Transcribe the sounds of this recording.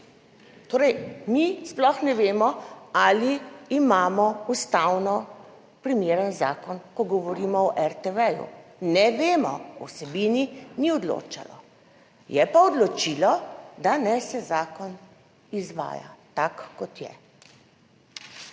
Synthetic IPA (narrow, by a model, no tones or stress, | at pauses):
t̪oːɾɛjmisplɔxnɛʋeːmɔaliːmaːmɔust̪awnɔ | pɾimeːɾənzaːkɔnkɔɡɔʋɔɾimɔɔʔɛɾt̪ɛʋɛjṵnɛʋeːmɔ̰ṵsɛbiːniniɔd̪lo̰ːt͡ʃa̰lɔ̰ | jɛpaɔd̪lɔt͡ʃilɔd̪anɛsɛzaːkɔn | izʋa̰ːja̰t̪akːɔt̪jɛ̰